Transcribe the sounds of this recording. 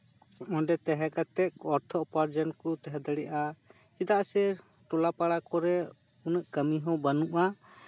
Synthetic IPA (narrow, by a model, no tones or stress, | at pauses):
ɔ̃nɖɛt̪ɛɦɛkat̪ɛk̚ɔɾt̪ʰɔɔpaɾd͡ʒənkɔt̪ɛɦɛd̪əɽɛʔa | t͡ʃid̪aʔsɛ | ʈɔlapaɽakɔɾɛ | unəʔkəmiɦɔ̃bənuʔa